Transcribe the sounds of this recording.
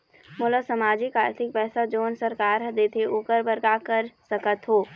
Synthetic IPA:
mʊləsɐmaːd͡ʒɪkaːɾt̪ʰɪk̚pɛːsad͡ʒoːnsɐɾkaːɾd̪eːt̪ʰeʔoːkəɾbəɾkakəɾsɐkət̪ɦoː

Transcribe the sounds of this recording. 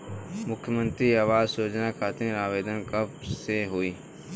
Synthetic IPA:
mʊkʰːjəmə̃nt̪ɾiaːʋaːzsoːd͡ʒnakʰaːt̪ĩɾaːʋeːd̪ənkəbseɦoiː

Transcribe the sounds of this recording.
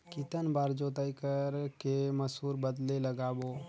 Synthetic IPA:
kɪt̪ənbaːɾd͡ʒoːt̪aikəɾkeməshuːɾbəd̪leləɡaːboː

